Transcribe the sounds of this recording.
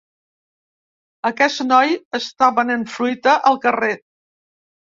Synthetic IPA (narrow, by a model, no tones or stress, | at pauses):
əkɛsnɔjəst̪aβənenfɾujt̪əʔəlˠkəre